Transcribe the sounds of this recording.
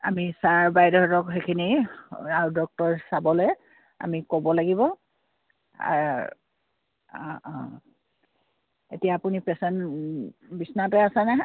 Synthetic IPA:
a̰misaɹbajdɔtɔkxekʰiniaɹudɔk̚tɔɹsabɔlej | a̰mikobɔlaɡibɔ | a̰ | etijaːpunipɛsɛn | bisnatɛasana

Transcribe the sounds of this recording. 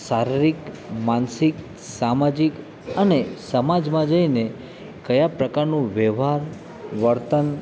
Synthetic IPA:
saɾiɾik | mansik | samad͡ʒik | ənesəmad͡ʒmãd͡ʒəine | kəjapɾəkaɾnũʋɛʋɦaɾ | ʋəɾt̪ən

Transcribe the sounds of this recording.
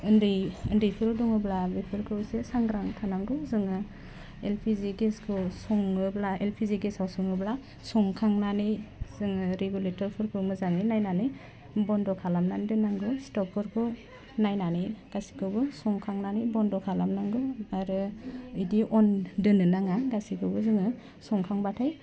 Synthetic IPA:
ɯndɯjɯndɯjpʰɯɾɯdɔŋɯblabipʰɯɾkʰɯsesaŋɡɾaŋtʰanaŋɡɯzɯŋɯ | elpʰiziɡeskʰɯsɔŋɯblaelpʰiziɡesawsɔŋɯbla | sɔŋkʰaŋnanɯjz̥ɯŋɯɾeɡuletɔɾpʰɯɾkʰɯmɯzaŋinajnanɯj | bɔndɔkʰalamnandɯnaŋɡɯstɔk̚ːɔɾkʰɯ | najnanɯjɡ̥asi̥kʰɯbɯsɔŋkʰaŋnanɯjbɔndɔkʰalamnaŋɡɯaɾɯidiʔɔndɯnɯnaŋaɡasikʰɯbɯzɯŋɯ | sɔŋkʰaŋbatʰaj

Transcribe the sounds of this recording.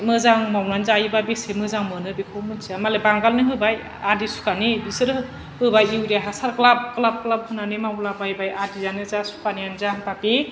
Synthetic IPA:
mɯzaŋmawnanzajbabesemɯzaŋmɯnɯbekʰomɯnsʰiamalebaŋɡalnɯɦɯbaj | adisu̥kanebisɯɾɯ | ɯbajiwɾaɦasaɾklab̚klab̚klab̚hɯnanemawlabajbajadizanɯzasu̥kanijanzampape

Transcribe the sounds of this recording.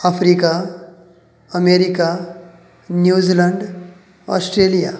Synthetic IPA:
afɾika | əmeɾika | njud͡ziləɳɖ | ɔ̰sʈɾelija̰

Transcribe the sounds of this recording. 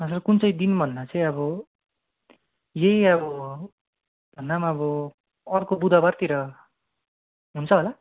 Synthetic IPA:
ʌsʌrkunt͡sʌjd̪inbʱʌnːat͡sʌĩʌbʌ | jejʌbʌ | bʱʌnːamaʌbʌ | ʌrkobud̪ʱabart̪iɾʌ | ɦunt͡sʰʌɦola

